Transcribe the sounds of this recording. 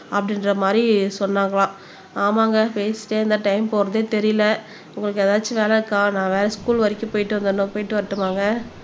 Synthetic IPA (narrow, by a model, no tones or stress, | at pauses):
ɐpːɐɽɪnɾɐmaːd̪ɾisɔnːaːŋɡɐɭãː | aːmaːŋɡɐpeːsʈeːɪnd̪ãʈɐɪmpoːɾɐðeːt̪ɛɾɪjɪlɐ | ʊŋɡɐɭɯkːɛðaːt͡ʃːɯʋeːlɛɾɯkːãːnãːʋeːɾɐskuːlʋɐɾɪkːɯpoːjɪʈːɯʋɐnd̪ɐnːʊ̃poːjɪʈːɯʋɐʈːɯmaːŋɡɐ